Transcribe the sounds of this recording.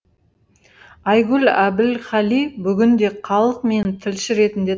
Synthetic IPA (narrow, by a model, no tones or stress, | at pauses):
ɑjɡʲʊlæbɪlχɑlijbʏɡʲɪnd̪e̞qʰɑlˠəqme̞nt̪ʰɪlʃɪɾe̞t̪ɪnd̪e̞